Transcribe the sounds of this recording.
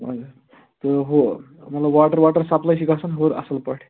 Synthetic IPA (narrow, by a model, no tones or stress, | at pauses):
ma̰d͡za | t̪əɦo | məlaʋaʈəɾʋaʈəɾsaplajɕikasanɦoɾə̰səlpəʈ